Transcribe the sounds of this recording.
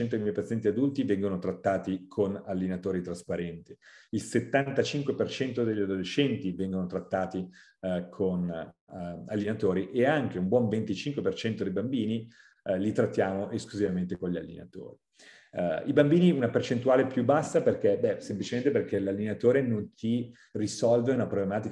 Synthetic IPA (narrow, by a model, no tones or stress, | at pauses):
ɛnt̪od̪ijmɔjpat̪sjɛnt̪iad̪ult̪ivɛŋɡonot̪ɾat̪ːaːt̪ikʰonalːenat̪oːɾit̪ɾaspaɾɛnt̪i | ilset̪ːant̪at͡ʃiŋkwepert͡ʃɛnt̪od̪eʎːad̪oleʃːɛnt̪ivɛŋɡonot̪ɾat̪ːaːt̪i | kʰon | a̰lːenat̪oːɾiʔeaŋk̟eumbwɔɱvent̪it͡ʃiŋkwepert͡ʃɛnt̪od̪ejbambiːni | lit̪ɾat̪ːjaːmoʔeskluzivament̪ekonʎa̰lːḛna̰t̪o̰ːɾi | ibambiːniunapert͡ʃent̪uaːlepjubasːaperkebɛsemplit͡ʃement̪eperk̟elalːenat̪oːɾenont̪i | risɔlveunapɾoblemaːt̪ik